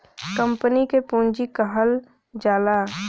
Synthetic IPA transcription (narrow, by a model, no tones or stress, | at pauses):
kə̃mpənikepũːɲd͡ʒikəɦəl | d͡ʒaːla